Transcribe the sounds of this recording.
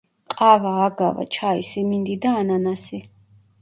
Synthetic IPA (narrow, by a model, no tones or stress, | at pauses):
qʼavaːɡava̰t͡ʃʰaḭsimind̪id̪aːnanasi